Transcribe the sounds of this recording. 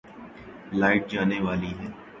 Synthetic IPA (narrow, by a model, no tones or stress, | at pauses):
laːɪʈ̚d͡ʒaːneʋaːliɦɛː